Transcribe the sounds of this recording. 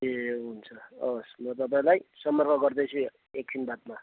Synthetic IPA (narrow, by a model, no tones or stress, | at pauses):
eɦunt͡sʰʌʌsmʌt̪̬ʌp̬aĩlajsʌmːʌrkʌɡʌrd̪ʌjt͡sʰu | ek̚sʰinbat̪̚ma